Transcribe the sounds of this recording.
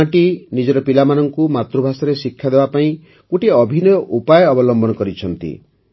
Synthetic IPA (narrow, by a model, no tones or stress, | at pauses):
aʈinid͡ʒɔɾɔpilamanɔŋkumat̪ɾubʱasɔɾesikʰːjad̪ebapaĩ | kuʈiɔbʱinɔjɔʔupajɔɔbɔlɔmbɔnɔkɔɾit͡ʃʰɔnt̪ḭ